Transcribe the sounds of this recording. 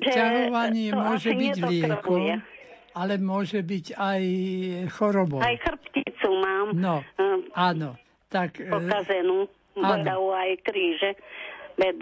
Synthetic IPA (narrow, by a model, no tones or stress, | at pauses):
ʒɛaɦɔʋaɲɪɛmʊɔʒɛɲbiɟlɪɛkɔa | alɛmʊɔʒɛbiɟajxɔɾɔbɔajxr̩pcit͡sumaːmnɔaːnɔ | t̪akɔkazɛnuː | band̪auajkɾiːʒɛbɛd̪